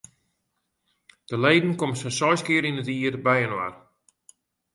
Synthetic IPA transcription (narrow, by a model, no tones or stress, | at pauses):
d̥əlejdn̩komsɛsɔjskɪəɾinətiərbɛjənwa̰r